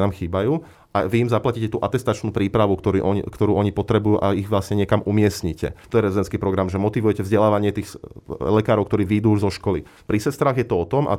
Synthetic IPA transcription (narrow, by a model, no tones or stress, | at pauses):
naːmxiːbajuː | ʔaʋiimzaplaciːcɛt̪uːʔat̪ɛst̪at͡ʃnuːpɾiːpɾaʋukt̪ɔɾiʔɔ̰kt̪ɔɾuːʔɔɲipɔt̪ɾɛbujuːʔa̰iɣʋlasɲɛɲɛkamʔumɪɛstɲicɛ̰t̪ɔjɛɾɛzid̪ɛnt͡sskiːpɾɔɡɾamʒɛmɔt̪iʋujɛcɛvzɟɛlaːʋaɲɪɛt̪iːxlɛkaːɾɔʊkt̪ɔɾiːʋid̪uuʒzɔʃkɔlḭ | pɾisɛst̪ɾaːɣjɛt̪ɔɔt̪ɔma̰